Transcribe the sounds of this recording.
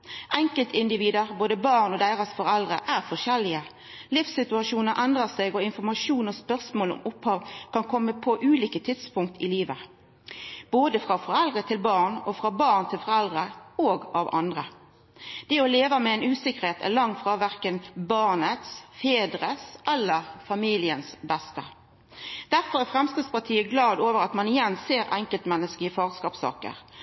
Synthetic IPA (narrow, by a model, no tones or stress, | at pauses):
ʔɛŋkəlt̪ɪnd̪ɪʋiːd̪əʁboːd̪əbɑʁnɔd̪æɪʁəsfɔɾɛld̪ʁəʔæʁfɔʁʃɛlːɪə | lɪfsɪt̪ʉɑʂuːnəɾʔɛnd̪ʁəseːɡɔɪnfɔʁmɑʃuːnɔspœʁsmoːlɔ̰mʊphɑːʋkʰɑnkʰɔmːəpʰɔʔʉːliːkət̪ʰɪt̪spʊŋk̚t̪ʰɪliːʋə | b̥oːd̪əfʁɑfɔɾɛld̪ʁət̪ʰɪlbɑːʁnɔfɾɑːbɑːʁnt̪ʰɪlfɔɾɛld̪ʁəoːɡʔɑʋɑ̰nd̪ʁə | d̪̥ɛɔleːʋɑmɛɛnʉːsɪkːəɾheːt̪ʰæ̰lɑŋfɾɑːʋæʁkənbɑʁnət̪sfeːd̪ɾəsʔɛlːəʁfɑmiːlɪənsbɛst̪ə | d̪̥æɾfɔɾæʁfɾɛmskɪd̪spɑt̪ʰiːəɡlɑːd̪oːʋəɾɑt̪mɑnɪjɛnːseːɾɛŋkəlt̪mɛnːəskəɪfɑːɡskɑːpsɑ̰ːkə̰ɾ